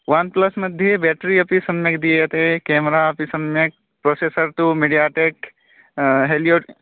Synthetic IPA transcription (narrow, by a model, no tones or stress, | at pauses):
ʋɐnplɐsmɐd̪ʱjebɛːʈɾiɐpisɐmjɐkd̪iet̪ekɛːmɾaɐpisɐmjɐk̚ | pɾoːseːsəɾt̪umeɖijaːʈeːk | ɦeːlio